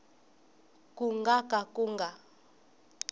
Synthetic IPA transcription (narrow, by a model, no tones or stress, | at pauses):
kuŋɡakʼakʼuŋɡa